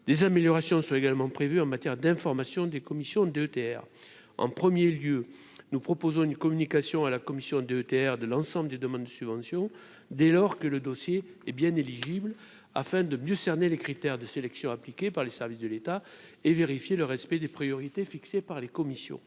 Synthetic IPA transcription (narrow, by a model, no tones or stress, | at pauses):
d̪̥ezameljɔʁasjɔ̃sɔ̃eɡalmɑ̃pχevyɑ̃mat̪jɛʁd̪ɛ̃fɔʁmasjɔ̃d̪ekɔmisjɔ̃d̪eøt̪eɛ̰ʁ | ɑ̰̃pχəmjeljø | nupχɔpozɔ̃ynkɔmynikasjɔ̃alakɔmisjɔ̃d̪eøt̪eɛʁd̪əlɑ̃sɑ̃bləd̪ed̪əmɑ̃d̪d̪əsybvɑ̃sjɔ̃ | d̪elɔʁkələd̪ɔsje | ɛbjɛ̃neliʒibl | a̰fɛ̃d̪əmjøsɛʁnelekχit̪ɛʁd̪əselɛksjɔ̃aplikʲepaʁlesɛʁvisd̪əlet̪aeveʁifjeləʁɛspɛd̪epχijɔʁit̪efiksepaʁlekɔmisjɔ̰̃